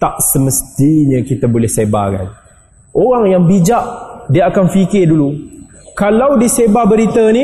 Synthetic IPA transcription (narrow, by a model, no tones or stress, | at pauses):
t̪aʔsəməst̪iɲəkit̪əbolɛhseba̰ka̰n | ʔoɾaŋjaŋbid͡ʒaʔdiəakanfikɪdulu | kalawdisebabəɾit̪əni